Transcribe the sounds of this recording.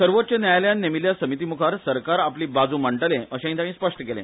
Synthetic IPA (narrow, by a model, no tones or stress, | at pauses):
səɾʋot̪ːt͡ɕenjajljanːemiljasəmit̪̬imukʰaɾsəɾkaɾapliːbad͡zũːməɳʈəlẽʔəɕẽɦĩt̪ãɽĩːspəʂʈəkelḛ̃